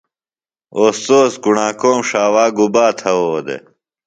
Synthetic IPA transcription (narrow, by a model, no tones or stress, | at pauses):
oːst̪oːsɡuɳaːkoːmʂaːwaːɡubaːt̪ʰɐwod̪ḛ